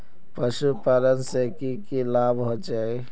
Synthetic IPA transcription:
pəʃupəɾənsekikilaːbɦod͡ʒaːe

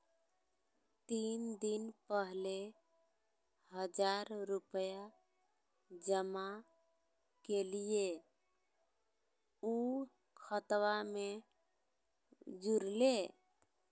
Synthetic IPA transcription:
t̪ind̪inpəɦle | ɦəd͡ʒaɾɾupəja | d͡ʒəma | kelije | u | kʰət̪wame | d͡ʒuɾle

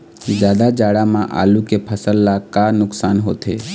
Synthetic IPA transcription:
zjaːd̪ad͡ʒaːɽamãʔa̰ːlukepʰəsəlːakanʊksaːnɦo̰ːt̪eː

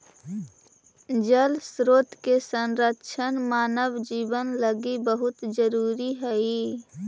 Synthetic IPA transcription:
d͡ʒəlsɾoːt̪kesə̃nɾəʃʰənmaːnəʋd͡ʒiːbənləɡibəɦʊt̪d͡ʒəɾuːɾiɦɛi

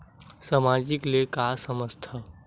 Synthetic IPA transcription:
samaːd͡ʒɪkliekaːsəməst̪ʰa

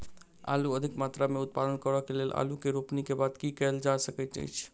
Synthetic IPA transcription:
a̰luəd̪ʱikmat̪ɾameut̪̚pad̪ənkəɾɔkelelʔa̰lukeɾupnikebad̪kikɛld͡ʒasəkət̪d͡ʒa̰jt͡ʃʰ

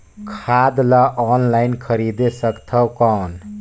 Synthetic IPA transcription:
kʰad̪laʔɔnlajnkʰəɾid̪esəkt̪ʰəwkan

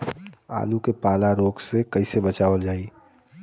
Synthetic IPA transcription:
a̰ːlukepaːlaɾoːɡsekəisebət͡ʃaːʋəld͡ʒaːi

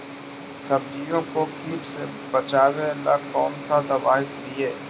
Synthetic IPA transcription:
sɐbd͡ʒijõkokʰiːʈse | bɐt͡ʃaːweɐlːa̰kɔːnsad̪ɐbaːɦɪkd̪ieː

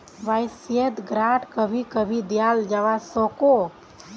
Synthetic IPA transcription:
ʋajsiəd̪ɡɾaʈkəbʱikəbʱid̪jald͡ʒaʋasɔko

